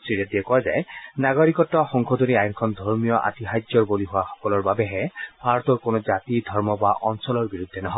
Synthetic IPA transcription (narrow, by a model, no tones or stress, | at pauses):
siɹɛdiɛkɔwaza̰jnaɡɔɹikɔtːɔxɔŋkʰɔdoniajnkʰɔndʱɔɹmijɔʔa̰tiɦazɔɹboliɦʊwaxɔ̥kɔlɔɹbabɛɦɛbʱaɹɔtɔɹkonɔzatidʱɔɹmɔbaʔɔnsɔlɔɹbiɹud̪ʱːɛnɔɦɔ